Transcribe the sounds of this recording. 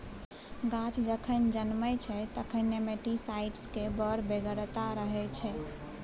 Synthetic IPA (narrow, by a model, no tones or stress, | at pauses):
ɡãt͡ʃd͡ʒəkʰənd͡ʒənməjt͡ʃʰɛt̪əkʰənːemeʈisaiʈskebəɾbeɡəɾt̪aɾəɦɛt͡ʃʰɛ